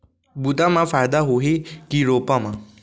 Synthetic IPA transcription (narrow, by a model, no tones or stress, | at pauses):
but̪ãmãfajd̪aɦoɦikiɾoːpamã